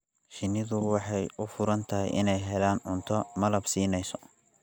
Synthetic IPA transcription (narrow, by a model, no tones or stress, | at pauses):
ʃɪnːɪðʊwɑħɑjʊfʊɾɐnt̪ʰɐɦɛ̰jʔɪ̰nɛjɦɛlaːnʕʊnt̪ʰɔmɐlɐbsiːnɛjsɔ̥